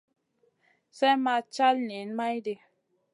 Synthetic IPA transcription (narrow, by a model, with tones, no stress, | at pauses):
sɛ˦ma˧t͡ʃa˦lni˨˦nma˦jde˧